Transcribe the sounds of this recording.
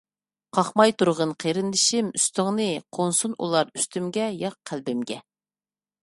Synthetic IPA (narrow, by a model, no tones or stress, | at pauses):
qʰɑχmɑjt̪ʰuɾʁənqʰeɾɪndɪʃɪmyst̪ɪŋnɨqʰonsunṵlˠɑɾy̥st̪ymɡʲɛjɑq̚ʰːælbɪmɡʲɛ